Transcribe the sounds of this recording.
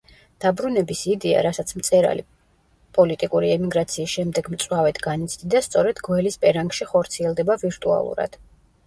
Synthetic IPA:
d̪̥abɾunɛbisid̪ia̰ɾasat̪sʰmt̪sʼɛɾa̰lḭ | pʼɔlit̪ʼikʼuɾiɛmiɡɾat̪sʰiːsʃɛmd̪ɛɡmt̪sʼwavɛd̪ɡanit̪sʰd̪id̪ast̪sʼɔɾɛd̪̥ɡwɛlispʼɛɾaŋɡʃiχɔɾt̪sʰiɛlˠd̪ɛbaviɾt̪ʼua̰lˠṵɾa̰d̪̥

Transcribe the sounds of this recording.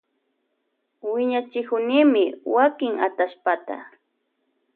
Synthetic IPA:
wɪɲat͡ʃɪkʊnɪmɪwakɪŋa̰t̪aʃpat̪a̰

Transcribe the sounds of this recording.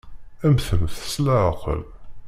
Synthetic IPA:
æmθəmθə̥slæʕəqə̰l

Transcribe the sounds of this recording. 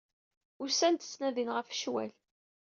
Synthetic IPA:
ʊɾsænt̪ə̥t͡sːnæðinʁəfʃwæ̰l

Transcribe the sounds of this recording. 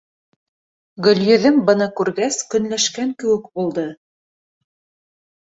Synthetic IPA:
ɡɵ̆ljɵ̆ðɘmbɤ̆nɑkʉɾɡæskɵ̆nlæʃkæŋkɘ̆wɘ̆kbulˠd̪ɤ

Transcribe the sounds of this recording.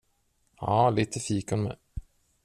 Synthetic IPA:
hɑːliːt̪ʰəfiːkanmɛ̰

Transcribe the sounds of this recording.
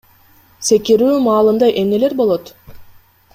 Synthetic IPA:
se̞kiɾyːmɑːlˠɯmd̪ɑjʔe̞mne̞le̞ɾbo̞lˠo̞t̪

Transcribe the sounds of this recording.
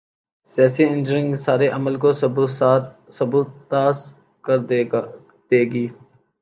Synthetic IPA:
saːsiɪ̃nd͡ʒəɾɪ̃ŋɡsaːɾeʔɐməlko | sɐbuːt̪ːaːs | kəɾ | d̪̥eːɡiː

